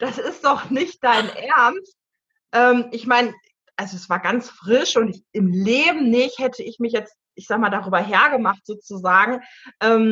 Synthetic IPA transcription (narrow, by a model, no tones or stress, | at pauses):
d̥asɪstd̥ɔχnɪçt̚d̥aɪnʔɛɐnst | ʔɛːmʔɪçmaɪn | ʔalzoɛsv̥aːɐɡant͡sfʁ̥ɪʃʊntɪçɪmleːbm̩nɪçthɛtʰəɪçmɪçjɛt͡st | ʔɪçz̥aːɡəmaːldaʁyːbɐɦɛːɐɡəmaχtz̥oːt͡suzaːɡŋ̩ | ʔɛːm